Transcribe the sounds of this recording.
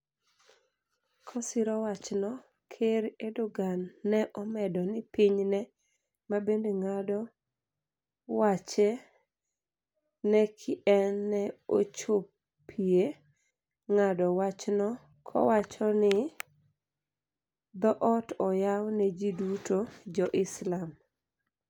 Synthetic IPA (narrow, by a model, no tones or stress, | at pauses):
kʰɔsɪɾɔwat͡ʃnɔ | kʰeɾedoɡanːɛʔɔmɛdɔnɪpiɲnɛ | mabendeŋadɔ | wat͡ʃɛ | nɛkʰɪʔɛnːɛot͡ʃop | pʰie | ŋadɔwat͡ʃnɔ | kʰɔ̰wat͡ʃɔnɪ | d̪ɔʔɔtɔjawnɛd͡ʒidutʰod͡ʒɔʔɪslam